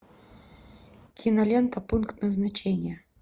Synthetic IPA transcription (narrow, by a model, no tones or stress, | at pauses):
kʲʰinɐlʲent̪ɐpunkt̪nəznat͡ɕenʲjə